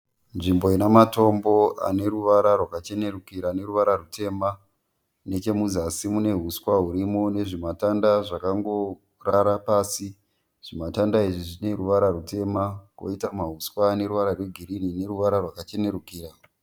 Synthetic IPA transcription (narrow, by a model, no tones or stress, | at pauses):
nʐimbo̞inamato̞mbo̞a̰ne̞ɾuʋaɾarwakat͡ʃe̞ne̞ɾukiɾane̞ɾuʋaɾarutʰe̞ːma | ne̞t͡ʃe̞mud͡zasimune̞ɦuskwaɦuɾimone̞ʐimatandaʐakaŋɡo̞ | raɾapaːsi | ʐ̥imatandaiʐiʐine̞ɾuʋaɾarute̞ːmako̰itamaɦuskwaːne̞ɾuʋaɾarwe̞ɡʱiɾinine̞ruʋaɾarwakat͡ʃe̞ne̞ɾukiːɾa